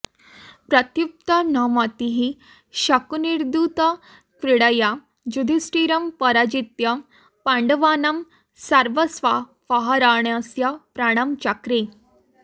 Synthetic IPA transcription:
pɾət̪jup̚t̪ənamat̪iɦi | ɕakuniɾd̪ut̪ə | kɾiɽəja | d͡ʑud̪ʱisʈiɾɐmpəɾad͡ʑit̪jɐ | pãɳɖəʋanɐm | saɾʋəsʋa | faɦaɾaɳjasjapɾaɽ̃amt͡ɕakɾe

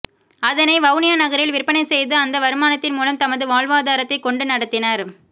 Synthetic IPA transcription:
ɐðɐnɐɪʋɐʊnɪjanɐɣɐɾɪlʋɪrpːɐnɐɪsɛjðɯɐnd̪ɐʋɐɾɯmaːnɐt̪ːɪnmuːlɐmt̪ɐmɐðɯʋaːɭʋaːðaːɾɐt̪ːɐɪkɔɳɖɯnɐɽɐt̪ːɪnɐɾ

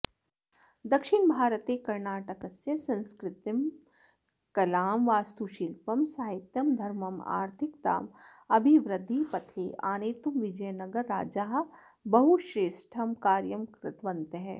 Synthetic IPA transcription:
d̪ɐkʃɪɳbʱaːɾət̪eːkɐɾnaːʈɐkɐsjɐsɐ̃nskɾɪt̪ɪm | kɐlaːmʋaːst̪uʃilpɐmsaːɦɪt̪jɐmd̪ʱɐɾmɐma̰ːɾt̪ʰɪk̚t̪a̰ːmɐbʱiʋɾɪd̪ʱːipɐt̪ʰeʔaːneːt̪umʋɪd͡ʒɐjnɐɡəɾːaːd͡ʒaːɦ | bɐɦuʃɾeːʃʈʰɐmkaːɾjəmkɾɪt̪ʋɐ̃nt̪ɦɛː

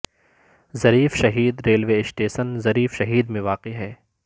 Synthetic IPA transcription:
zɐɾiːfʃɐɦiːd̪ɾeːlʋeɪsʈeːʃənzɐɾiːfʃɐɦiːd̪mẽʋaːqeɦɛː

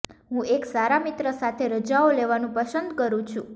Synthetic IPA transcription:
ɦũeksaɾamit̪ɾəsat̪ʰeɾəd͡ʒaoleʋanũpəsənd̪kəɾũt͡ʃʰũ

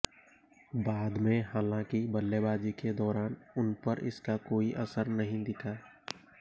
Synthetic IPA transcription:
baːd̪mẽɦaːlãkibəlːebaːd͡ʒiked̪ɔːɾaːnʊnpəɾʔɪ̰skakoːiʔəsəɾnəɦĩd̪ɪkʰaː

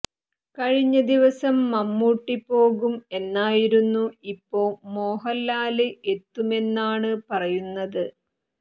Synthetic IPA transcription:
kɐɻiɲːɐd̪iʋɐsɐmːɐmːuːʈːipo̞ːɣume̞nːaːjiɾunːuipːo̞ːmo̞ːɦɐlːaːlɨʔe̞t̪ːume̞nːaːɳɨpɐrɐjunːɐðɨ

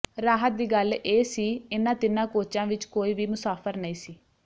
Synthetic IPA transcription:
ɾaːɦət̪̚d̪iːɡəleːsiːɪnãːt̪ɪnãːkoːt͡ʃãːʋɪt͡ʃkoːiːʋiːmʊsaːpʰəɾnəĩːsiː

